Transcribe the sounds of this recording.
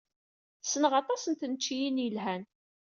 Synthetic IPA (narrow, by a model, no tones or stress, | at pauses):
sənʁɑt̪ˤɑsənt̪ənt͡ʃːijinjəlɦæn